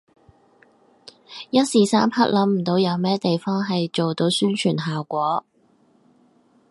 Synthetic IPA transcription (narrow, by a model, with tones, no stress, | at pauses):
jɐ˥t̚siː˨saː˥mpʰɐ˥k̚lɐ˨˥mm̩˨˩t̪o˨˧˥wjɐ˨˧wmɛː˥t̪e˨jfɔː˥ŋɦɐ˨jt͡ʃo˨wt̪o˨˥wsyː˥nt͡ʃʰyː˨˩nɦaː˨wkʷɔː˨˥